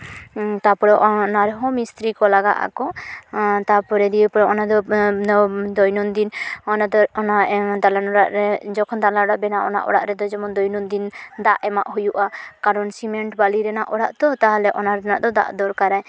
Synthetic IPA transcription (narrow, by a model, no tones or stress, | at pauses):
t̪apɔɽɔʔɔnaɾɦɔmist̪ɾikɔlaɡa̰ʔa̰kɔ | t̪apɔɾɛd̪iəpɔɽɔɔnad̪ɔ | d̪ɔjnɔnd̪inɔnad̪ɔɔnaʔd̪alanɔɽaʔɾɛd͡ʒɔkʰɔnd̪alaɔɽaʔbɛnaʔɔ̰na̰ʔɔ̰ɽa̰ʔɾɛd̪ɔd͡ʒɔmɔnd̪ɔjnɔnd̪ind̪aʔɛmaʔɦujuʔakaɾɔnsimɛɳʈbaliɾɛnaʔɔɽaʔt̪ɔt̪aɦalɛʔɔnaɾnaʔd̪ɔd̪a̰ʔd̪ɔɾkaɾaj